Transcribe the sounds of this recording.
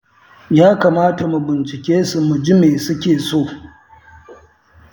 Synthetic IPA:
jaː˦kaː˨maː˦ta˨mu˨bɪ˨nt͡ʃɪ˨kʲeː˦su˨mu˨d͡ʒi˦meː˨sʊ˦kʲeː˨soː˦˨

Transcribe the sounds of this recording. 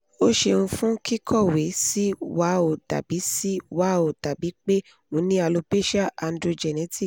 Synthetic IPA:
o˦ʃe˧nũ˧fũ˦ki˦kʰɔ˦˨we˨˦si˦wa˨˦o˨ta̰˨bi˨˦si˦wa˦o˨ta˨bi˨˦k͡pe˦ | ŋũ˨˦nĩ˦a˧lo˧pe˦ʃa˦a˧ndɾo˧d͡ʒɛ˨nɛ˨˦ti˦

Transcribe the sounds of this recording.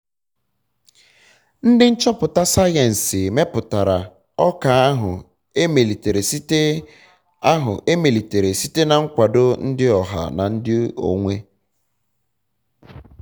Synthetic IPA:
n̩˦dɪ˦n̩˦t͡ʃɔ˦pʊ˨ta˦sa˦je˨n̩˨sɪ˨me˦pʊ˨ta˨ɾa˨ | ɔ˦ka˨a˦ɦʊ˨ | e˦me˨li˨te˨ɾe˨si˦te˦ | a˦ɦʊ̰˨ʔe˦me˨li˨te˨ɾe˨si˦te˦na˨ŋ̩˦kʷa˨do˦n̩˦dɪ˦ɔ˨ɦa̰˨na̰˨n̩˦dɪ˦o̰˨ŋʷe˦

